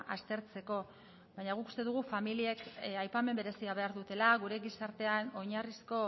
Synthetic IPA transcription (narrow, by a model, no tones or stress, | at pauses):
ʔa̰st̪e̞ɾt͡se̞ko̞ | βajɲaɣ̞ukust̪e̞ðuɣ̞ufamilie̞kajpame̞mbe̞ɾe̞siaβ̞e̞aɾðut̪e̞laɣuɾe̞ɡisaɾt̪e̞ano̞ɲarisko̞